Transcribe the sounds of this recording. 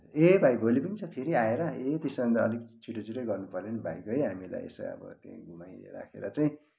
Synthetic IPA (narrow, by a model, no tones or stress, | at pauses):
ebʱajbʱolipʌnit͡sʰʌpʰeɾiaeɾʌet̪esʌmʌnd̪aʌlikt͡sʰuʈʌt͡sʰuʈʌjɡʌrnupʌrlenʌbʱajkoɦʌjɦamila̰jḛso̰ʌ̰bʌ̰t̪jã̰ɡʱumajlḛɾa̰kʰḛɾʌt͡saĩ